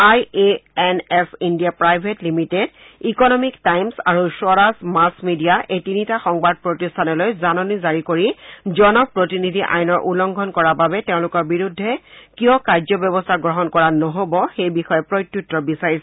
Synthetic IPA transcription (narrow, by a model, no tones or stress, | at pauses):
ajeɛnɛsindijapɹajbʱetlimited | ikɔnɔmiktajmsa̰ɹusɔɹasmasmidijaʔejtinitaxɔŋbad̚pɹotistʰanɔlojzanɔnizaɹikoɹizɔnɔk̚pɹotinidʱiʔa̰jnɔɹʔulɔŋɡʱɔnkɔɹababɛteʊ̃lʊkɔɹbiɹudʱːɛkijɔkaɹzɔbjɔbɔstʰaɡɹɔɦɔnkɔɹanɔɦobɔxejbixɔjɛpɹojtːutːɹɔbisaɹisɛ